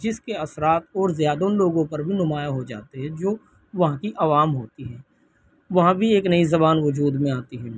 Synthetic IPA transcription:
d͡ʒɪskeɐsɾaːt̪ɔːɾzjaːd̪onloːɡõpɐɾbʱinʊmaːjaɦod͡ʒa̰ːt̪eɦɛ̃d͡ʒoː | ʋɐɦãkiʔɐʋaːmɦoːt̪iɦɛː | ʋɐɦãbʱieːknɐizɐbaːnʋʊd͡ʒuːd̪mẽaːt̪iɦɛː

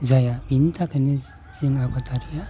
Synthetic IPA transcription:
zajabint̪akəne | ziŋabat̪aɾija

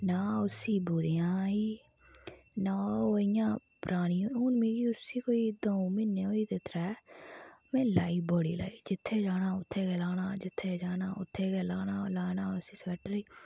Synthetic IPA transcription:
naːʊsiːbuːɾɪjãːiː | naːoːɪjãːpɾʔaːɽ̃ĩːoʊːnmeːɡiːʊsiːkoːiːd̪oːmɪneːoːiːt̪eːt̪əɾɛː | mɛ̃ːlaːiːboːɽḭːla̰ːiːd͡ʒɪt̪ʰːeːd͡ʒaːnaːʊt̪ʰːeːkɛːlaːnãːd͡ʒɪt̪ʰːeːd͡ʒaːnaːʊ̰t̪ʰːeːkɛːlaːnãːlaːnaːʊsiːsɛːʈɾiː

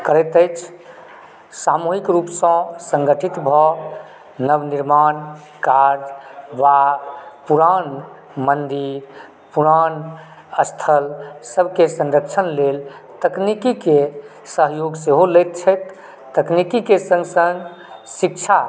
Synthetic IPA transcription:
kəɾɛt̪əjt͡ʃʰ | samuɦikɾupsə̃sə̃ŋɡəʈʰit̪bʱɔ | nəbniɾman | kaɾd͡ʒʋapuɾan | mənd̪iɾ | puɾan | əst̪ʰəlsəbʱkesə̃nɾəkt͡ʃʰənlel | t̪əknikike | səɦjoɡseɦolɛɪt̪̚t͡ʃʰət̪ː | əknikikesə̃ŋɡsəŋɡ | sik̚t͡ʃʰa

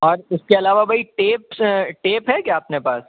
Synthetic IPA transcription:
ɔːɾʊskeɐlaːʋabʱɐiʈeːpʈeːpɦɛkjaːpnepaːs

